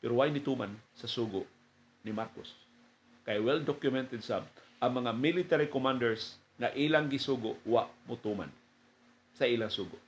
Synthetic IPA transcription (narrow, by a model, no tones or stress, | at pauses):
pɛɾʊwajnɪt̪uːmansɐsuːɡʊʔ | nɪmaɾkos | kajwɛld̪okjʊmɛnt̪ɛd̪sab | ʔaŋmɐŋamilɪt̪aɾikomand̪ɛɹs | ŋaʔiːlaŋɡɪsuːɡʊʔwa̰ʔmʊt̪uːma̰n | saiːlaŋsuːɡʊʔ